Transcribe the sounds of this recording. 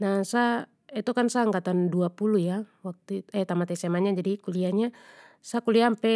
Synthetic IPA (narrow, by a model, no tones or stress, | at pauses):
nasa | ɛt̪ɔkansaŋɡat̪anduapulujawak̚t̪uɛt̪amat̪ɛsɛmaɲad͡ʒadikuliaɲasakuliampɛ